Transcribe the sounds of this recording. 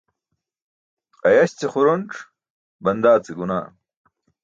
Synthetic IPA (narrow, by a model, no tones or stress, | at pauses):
ɐjɐɕt͡seχuɾonʈ͡ʂ | bɐnd̪aːt͡siɡuna̰ː